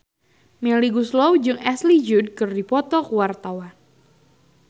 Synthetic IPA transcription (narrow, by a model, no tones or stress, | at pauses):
mɛliɡuslɔwd͡ʒɨŋɛslid͡ʒud̚kɨrdipɔt̪ɔkwart̪awan